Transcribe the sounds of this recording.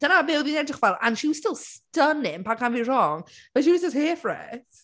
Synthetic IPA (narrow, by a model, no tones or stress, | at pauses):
d̥ənabɪwðinɛdrɪχvɛlˠa̰nʃiwstɪlˠstənɪmpʰakʰanvirɔŋ | vɛʃiwɪsəsheːfrɛ̰θ